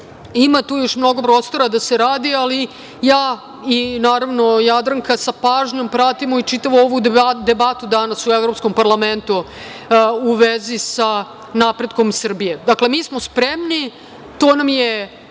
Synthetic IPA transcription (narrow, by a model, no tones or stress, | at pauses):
imat̪uːjo̞ʃmno̞ɡo̞pɾo̞ːst̪o̞ɾad̪aseɾaːd̪iali | jaː | inaːɾaʋno̞jad̪ɾaŋkasapaːʒɲo̞mpɾat̪imoit͡ʃit̪aʋooʋud̪e̞bat̪ud̪anasuevɾopskompaɾlame̞nt̪u | uʋezisa | napɾe̞d̪ko̞msr̩bije̞d̪akle̞miːsmospɾemni | t̪oːnamje